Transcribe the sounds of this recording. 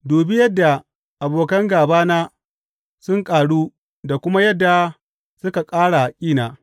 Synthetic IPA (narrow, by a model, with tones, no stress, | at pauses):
doː˨bi˦jɐ˦dːa˨ | ʔa˨boː˨kɐ˦ŋɡaː˨baː˦naː˦ | sʊ˦ŋkʼaː˨ɽuː˦ | da˨kʷʊ˦ma˦jɐ˦dːa˨ | sʊ˦ka˨kʼaː˦ɽa˨kʲʼiː˦naː˨